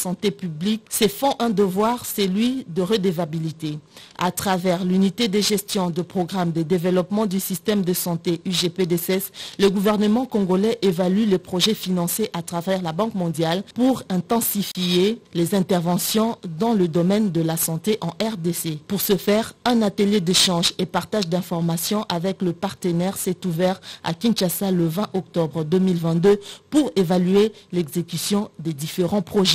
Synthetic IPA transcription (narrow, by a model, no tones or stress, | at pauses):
sɑ̃t̪epybliksɛfɔ̃ʔɛ̃d̪əvwaʁsəlɥid̪əʁəd̪evabilit̪ea̰t̪χavɛʁlynit̪ed̪eʒɛst̪jɔ̃d̪əpχɔɡʁamd̪əd̪evɛlɔpmɑ̃d̪ysist̪ɛmd̪əsɑ̃t̪eʔyʒeped̪esɛsləɡuvɛʁnəmɑ̃kɔ̃ɡolɛʔevalylepχoʒɛfinɑ̃seʔat̪χavɛʁlabɑ̃kmɔ̃d̪jalpuʁɛ̃t̪ɑ̃sifielezɛ̃t̪ɛʁvɑ̃sjɔ̃d̪ɑ̃ləd̪ɔmɛnd̪əlasɑ̃t̪eʔɑ̃ʔɛʁd̪esepuʁsəfɛʁɛ̃nat̪əljed̪eʃɑ̃ʒepaʁt̪aʒd̪ɛ̃fɔʁmasjɔ̃ʔavɛkləpaʁt̪ənɛʁsɛt̪uvɛʁa̰kʲĩnʃasaləvɛ̃ʔɔk̚t̪ɔbʁd̪ømilvɛ̃t̪̚d̪øpuʁevalyelɛɡzekysjɔ̃d̪ɛd̪ifeʁɑ̃pχoʒɛ